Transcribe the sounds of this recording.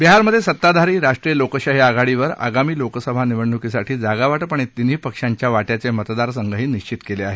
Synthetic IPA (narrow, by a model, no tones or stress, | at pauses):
biɦaɾməd̪ʱjesət̪ːad̪ʱaɾiːɾaʂʈɾiːjəlokəɕaɦjaɡaɭiʋəɾa̰ɡamiːlokəsəbʱaniʋəɳːukisaʈʰiːd͡zaɡaʋaʈpəɳet̪ːiniːpəkʂaɲt͡ɕjaʋaʈjat͡semət̪d̪aɾsəŋɡəɦiːniɕt͡ɕit̪keleaɦe